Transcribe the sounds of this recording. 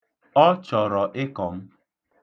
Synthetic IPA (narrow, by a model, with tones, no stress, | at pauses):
ɔ˦t͡ʃɔ˨ɾɔ˨ʔɪ˦kɔ˨m̩˦